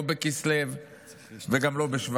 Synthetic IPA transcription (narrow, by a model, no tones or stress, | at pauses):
bekislev | veɡamlo̞beʃv